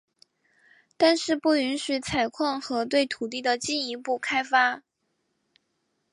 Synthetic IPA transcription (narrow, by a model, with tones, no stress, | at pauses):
t̪a˥˧nʂɻ̩˥˧pu˥˩y˧˥nɕy˨˧˥t͡sʰa˨˩ɪkʰwɑ˥˩ŋxɤ˧˥t̪we˥˩ɪt̪ʰu˨˩t̪̬i˥˩d̪ə˩t͡ɕi˥˩ni˧˥pu˥˩kʰa˥ɪfa˥